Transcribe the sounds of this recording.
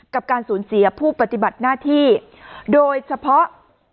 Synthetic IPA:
ka˨˩p̚kaː˧nsuː˩˦nsi˨˩˦ɐpʰuː˥˩pa˧t̪i˨˩ba˨˩t̪̚naː˥˩t̪ʰiː˥˩ | doː˧jt͡ɕʰa˧pʰɔ˦˥ʔ

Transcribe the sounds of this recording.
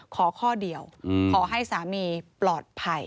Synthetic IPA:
kʰɔː˩˦kʰɔː˥˩di˧əwkʰɔː˩˦ɦa˥˩jsaː˩˦miː˧plɔː˨˩t̪̚pʰa˧˩j

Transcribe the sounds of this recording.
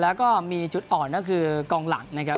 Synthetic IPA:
lɛː˦˥wkɔː˥˩miː˧t͡ɕʰu˨˩t̪̚ʔɔː˨˩nna˥˩kʰɯː˧kɔː˧ŋla˨˩˦ŋna˦˥kʰa˦˥

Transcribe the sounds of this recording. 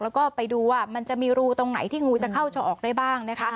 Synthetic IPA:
lɛː˦˥wkɔː˥˩pa˧jduː˧waː˥˩ma˧nt͡ɕa˨˩miː˧ɾuː˦˧t̪o˧ŋna˩˦jt̪ʰiː˥˩ŋuː˧t͡ɕa˨˩kʰa˥˩wt͡ɕʰɔː˧ʔɔː˨˩k̚da˥˩jbaː˥˩ŋna˦˥kʰa˦˥

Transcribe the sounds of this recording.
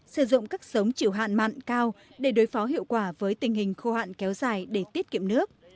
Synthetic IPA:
sɨ˧˩zʊ̰˧˨ŋ͡mkaː˦˥k̚sə˨˦wŋ͡mt͡ɕi˧˩əwɦa̰ː˧˨nma̰ː˧˨nkaː˧wɗe˧˩ɗo˨˦jfɔ˨˦ɦḭ˧˨əwkwaː˧˩vəː˨˦jt̪ï˨˩ŋ̟ɦï˨˩ŋ̟xo˧ha̰ː˧˨nkɛ˨˦wzaː˨˩jɗe˧˩t̪i˦˥ət̚kḭ˧˨əmnɨ˦˥ək̚

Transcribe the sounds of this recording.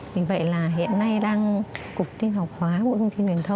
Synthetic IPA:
vi˨˩və̰˧˨jlaː˨˩ɦḭ˧˨ənːa˧jɗaː˧ŋkʊ˨˩k͡p̚t̪i˧nɦa˨˩wk͡p̚hwaː˨˦mo̰˧˨jt̪ʰə˧wŋ͡mt̪i˧nt͡ɕwi˨˩ənt̪ʰə˧wŋ͡m

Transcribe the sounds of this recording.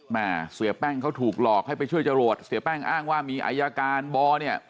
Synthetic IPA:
maː˧˩si˨˩˦pɛː˥˩ŋkʰa˦˥˩wt̪ʰuː˨˩k̚lɔː˨˩k̚ha˥˩jp̬a˧jt͡ɕʰu˥˩əjt͡ɕa˧ɾoː˨˩t̪̚si˨˦pɛː˥˩ŋʔaː˥˩ŋwaː˥˩miː˧ʔa̰˧ja˧kaː˧nbɔː˧ni˥˩ɐ

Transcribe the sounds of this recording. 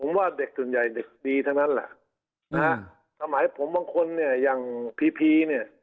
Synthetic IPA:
pʰo˩˦mwaː˧˩de˨˩k̚su˨˩nja˨˩jde˨˩k̚diː˧t̪ʰa˥˩wna˦˥nla̰˧˦ʔ | na˧ha˦˥ | sʰa˧maː˨˩˦jpʰo˩˦mbaː˧ŋkʰo˧nːi˥˩ɐjaː˨˩ŋpʰiː˧pʰiː˧ni˥˩ɐ

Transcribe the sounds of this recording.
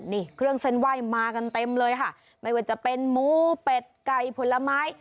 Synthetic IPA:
niː˧˥˩kʰɾɯ˥˩əŋse˥˩nwaː˥˩jmaː˧ka˧nt̪e˧mlɤː˧jkʰa˥˩ | ma˥˩jwaː˧˩t͡ɕa˨˩ʔpe˧nmuː˦˥pe˨˩t̪̚ka˨˩jpʰo˨˦nla˧maː˦˥j

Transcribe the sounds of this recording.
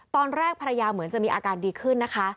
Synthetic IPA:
t̪ɔː˧nɾɛː˥˩k̚pʰa˧ɾja˧jaː˧mɯ˩˦ənt͡ɕa˨ʔmiː˧ʔaː˧kaː˧ndiː˧kʰɯ˥˩nːa˦˥kʰa˦˥

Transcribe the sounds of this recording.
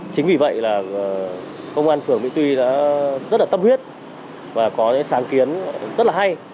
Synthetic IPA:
t͡ɕï˨˦ŋ̟vi˨˩və̰˧˨jlaː˨˩˨ | kə˧wŋ͡mʔaː˧nfɨ˨˩əŋmḭ˧˥t̪wi˧ɗa̰ː˧˥zə˦˥t̚laː˨t̪ə˧mhwət̚ | vaː˨˩kɔ˨˦ɲ̰˧˨˦saː˨˦ŋki˨˦ənzə˦˥t̚laː˨˩ɦa˧j

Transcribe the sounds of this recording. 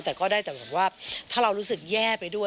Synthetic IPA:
t̪ɛː˨˩kɔː˥˩daː˥˩jt̪ɛː˨˩pʰo˩˦waː˥˩t̪ʰaː˥˩ɾa˧wɾuː˦˥sɯ˨˩k̚jɛː˥˩pa˧jdu˥˩ə

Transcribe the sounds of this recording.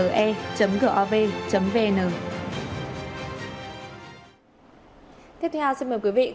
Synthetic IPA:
əː˨˩ʔɛ˧t͡ɕə˨˦mɣəː˧˩ʔɔ˧ve˧t͡ɕə˨˦mve˧ʔnəː˨˩ | t̪ʰi˦˥əp̚t̪ʰɛ˧wsi˧nməː˨˩jkwi˨˦vḭ˧˨

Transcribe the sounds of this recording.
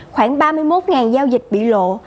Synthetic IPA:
xwaː˧˩ŋɓaː˧mɨ˧əjmo˦˥t̚ŋaː˨˩nzaː˧wzï˨˩k̟̚ɓḭ˧˨lo̰˧˨

